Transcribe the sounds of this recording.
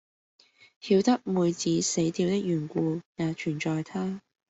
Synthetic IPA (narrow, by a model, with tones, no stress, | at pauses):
hiː˧wt̪ɐ˥k̚muː˨jt͡siː˨˥se˨˥jt̪iː˧wt̪ɪ˥k̚jyː˨˩nkʷuː˧jaː˨˧t͡ʃʰyː˨˩nt͡ʃɔː˨jt̪ʰaː˥